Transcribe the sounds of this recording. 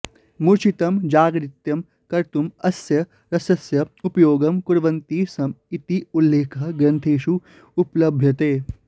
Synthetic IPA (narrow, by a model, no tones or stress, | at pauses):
muɾt͡ʃit̪ɐmd͡ʒaːɡɾit̪jɐm | kɐɾt̪umɐsjɐ | ɾɐsɐsjɐupɐjoːɡɐmkuɾʋɐnt̪iːsɐmit̪iulːeːkʰɐɡɾɐnt̪ʰeːʃu | uplɐbʱjɐt̪eː